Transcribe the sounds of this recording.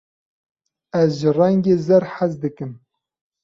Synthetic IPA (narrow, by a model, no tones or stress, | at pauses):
ɛzʒɨrɛŋɡʲeːzɛɾħazd̪ɨkɨm